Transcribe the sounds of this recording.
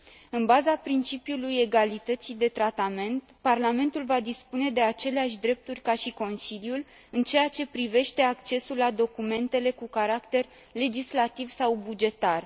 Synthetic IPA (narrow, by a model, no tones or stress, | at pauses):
ɨnbazapɾint͡ʃipjuluje̞ɡalit̪ət̪sid̪e̞t̪ɾat̪ame̞nt̪parlame̞nt̪ulvad̪ispune̞d̪e̞at͡ʃe̞leaʃ̬ʲd̪ɾe̞p̚t̪urʲkaʃiko̞nsiljul | ɨnt͡ʃe̞jat͡ʃe̞pɾive̞ʃt̪e̞akt͡ʃe̞sulːad̪o̞kume̞nt̪e̞le̞kukaɾakt̪e̞r | le̞d͡ʒislat̪ivsawbud͡ʒe̞t̪ar